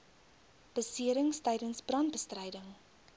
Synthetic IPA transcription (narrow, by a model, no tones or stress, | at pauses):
b̥əsiəɾəŋstɛjdənsbrɐnt̚bəstrɛjdəŋ